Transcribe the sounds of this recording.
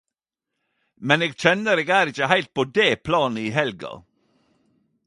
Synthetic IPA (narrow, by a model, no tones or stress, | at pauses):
mɛneːɡc͡çɛnəɾeːɡæːɾɪçəhæɪlt̪̚pʰoːd̪eːpʰlɑːnəiːɦɛlɡɑ̰